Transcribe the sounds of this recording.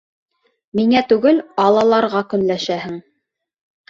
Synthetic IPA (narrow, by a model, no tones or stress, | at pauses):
miŋæt̪ʉɡɘlɑlˠɑlˠɑɾʁɑkɵ̆nlæʃæhɘŋ